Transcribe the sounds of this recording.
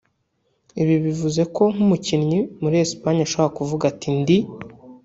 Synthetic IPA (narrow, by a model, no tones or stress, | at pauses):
iβiβivuze̞ko̞ŋ̥umucinɲimuɾiespaɲaʃoβoakuvuɡatʰindi